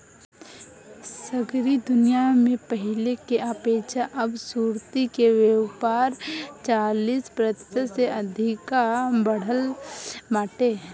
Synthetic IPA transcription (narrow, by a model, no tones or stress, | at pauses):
səɡɾid̪ʊnijamẽpəɦɪlekeʔaːpeːʃʰaʔɐbsuːɾt̪ikeʋewpaːɾt͡ʃaːliːspɾət̪əseɐd̪ʱɪkabəɽ̤əlmaːʈeː